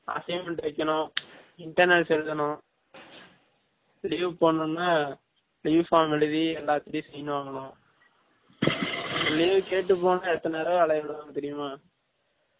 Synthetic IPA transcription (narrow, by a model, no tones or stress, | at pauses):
ɐ̰sɐɪmɛɳʈʋɛkːɐɳʊ̃ | ɪɳʈːɐɾnɛlsɛlɯðɐnʊ̃ | liːʋpoːɳːʊ̃nːaː | liːʋfaːmʋɛɻɯðiɛlːaːt̪ːɪɾjĩsɛjːɐnɯ̃aːɣɐnʊ̃ | ɐliːʋkeːʈːɯpːoːnãɛt̪ːɐneːɾɐɐɭɐʋɪɽɯaːnt̪ɛɾɪjʊmaː